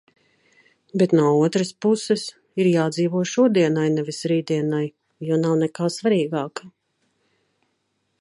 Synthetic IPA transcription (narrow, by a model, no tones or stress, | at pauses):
bɛt̪nuɔuɔt̪ɾəspusɛs | iɾjaːd̪ziːvuɔjʃuɔd̪iɛnajnɛvisɾiːd̪iɛnaj | junawnɛkaːsvaɾiːɡaːkḁ